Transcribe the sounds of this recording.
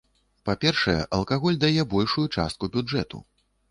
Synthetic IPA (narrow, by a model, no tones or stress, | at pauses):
papʲɛrʂɐjɛ̰ʔɐlˠkaɣɔlʲd̪ajɛbɔlʲʂujut͡ʂa̰st̪̚kubʲuɛt̪ṵ